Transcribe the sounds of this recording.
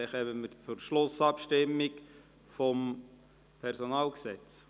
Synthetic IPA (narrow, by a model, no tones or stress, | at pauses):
χɛməməɾt͡sʊɾʃlʊsɑpʃtɪmːik | fɔm | pʰɛɾsɔnɑːlksɛt͡s